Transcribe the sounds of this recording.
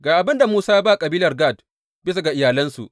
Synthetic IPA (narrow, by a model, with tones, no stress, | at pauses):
ɡaː˨ʔa˨bɪ˦nda˨muː˦saː˦ba˦˨kʼɐ˨biː˦lɐ˨rɡaː˦˨d | bɪ˦s̬a˨ɡa˨ʔɪ˨jaː˨lɐ˦nsṵ˨ʔ